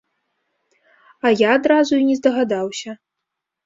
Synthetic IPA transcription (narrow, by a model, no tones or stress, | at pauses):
ɐjaːd̪ɾazuinʲɛzd̪ɐɣad̪awsʲɐ